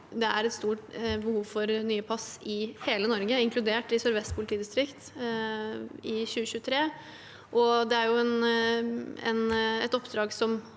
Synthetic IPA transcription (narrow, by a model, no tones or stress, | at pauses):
d̪ɛæɾɛt̪st̪uːʈbəhuːʋfɔɾnyːəpʰɑsɪheːlənɔɾɡəɪŋkʰlʉd̪eːʈɪsœɾʋɛst̪̚pʰʊlɪt̪ʰiːd̪ɪst̪ɾɪkt̪ | ɪɕʉːəɕʉːət̪ʰɾeː | ʔɔd̪ɛæɾjʊɛn | ɛ̰nɛ̰t̪ɔpd̪ɾɑːɡsɔm